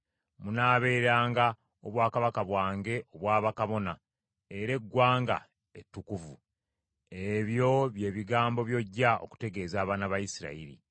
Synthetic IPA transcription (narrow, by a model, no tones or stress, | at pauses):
munaːβe̞ːɾaːŋɡa | oβwaːkaβakaβwaːŋɡe̞ʔo̞βwaːβakaβo̞na | e̞ɾe̞ɡːwaːŋɡa̰ | etːukuvu | eβjo̞βje̞ːβiɡaːmbo̞βjo̞ɟːao̞̰ku̥te̞ɡe̞ːzaːβaːnaβajisiɾa̰iɾḭ